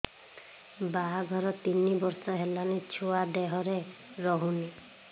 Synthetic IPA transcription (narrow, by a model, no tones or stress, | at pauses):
baɡʱɔɾɔt̪inibɔɾsɔɦelanit͡ʃʰuad̪eɦɔɾeɾɔɦuni